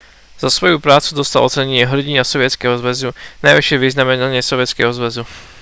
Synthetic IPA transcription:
zasʋɔjupɾaːt͡sud̪ɔst̪alʔɔt͡sɛɲɛɲɪɛɦr̩ɟinasɔʋɪɛt͡skɛɦɔzʋɛzunajʋiʃɪɛʋiznamɛnaɲɪɛsɔʋɪɛt͡skɛ̰ɦɔzʋɛzu

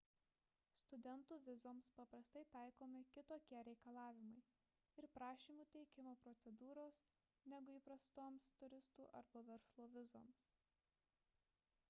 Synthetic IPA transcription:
st̪ʊd̪ʲɛnt̪uːʋʲɪzoːmspɐpɾɐst̪ɐɪt̪ɑˑɪkoːmʲɪkʲɪt̪oːkʲiɛɾʲɛɪkɐlˠɑːʋʲɪmɐɪ | ɪɾpɾɑːʃʲiːmuːt̪ʲɛɪkʲɪmoːpɾɔt̪sʲɛd̪uːɾoːs | nʲɛɡʊiːpɾɐst̪oːmst̪ʊɾʲɪst̪uːʔɐ̰ɾbɐʋʲɛɾslˠoːʋʲɪzoːms

